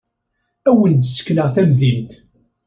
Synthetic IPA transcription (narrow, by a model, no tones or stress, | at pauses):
æwənd̪sə̥kːləʁθæmðimt̪